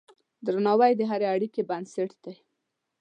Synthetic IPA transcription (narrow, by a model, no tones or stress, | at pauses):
d̪ɾanɑwajd̪əɦaɾeaɽikebansɪʈd̪aj